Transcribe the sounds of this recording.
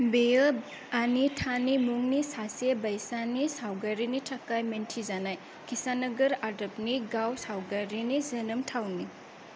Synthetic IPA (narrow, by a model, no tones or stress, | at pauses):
bejə | anitʰanimuŋnisasebajsanisawɡaɾinitʰakajmentʰizanaj | kʰisanɐɡɐɾadɐp̚niɡawsawɡaɾinizɐnɯmtʰawni